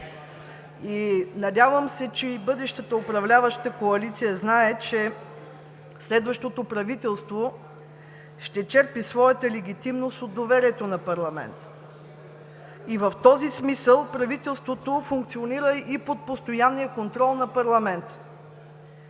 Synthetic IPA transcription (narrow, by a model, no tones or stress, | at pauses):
inɐd̪ʲjavəmsɛt͡ʃɛibɤd̪ɛʃt̪ət̪əopɾɐvlʲavəʃt̪əkoɐlit̪sijəznaɛt͡ʃɛ | slɛd̪vəʃt̪ot̪opɾɐvit̪ɛlˠst̪vo | ʃt̪ɛt͡ʃɛɾpisvɔjət̪əlɛɡʲit̪imnost̪od̪ːovɛɾiɛt̪onɐpɐɾlˠɐmɛ̰nt̪ | ivəft̪ɔzismisəlˠpɾɐvit̪ɛlˠst̪vot̪ofuŋk̚t̪sioniɾəipot̪̚post̪ojanːijəkont̪ɾɔlˠnɐpɐɾlˠɐmɛnt̪